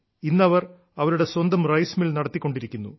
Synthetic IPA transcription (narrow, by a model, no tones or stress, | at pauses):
inːɐʋɐr | ɐʋɐɾuɽe̞swɐnd̪ɐmrɐjsmilnɐɽɐt̪ːikːo̞ɳɖiɾikʲːunːṵ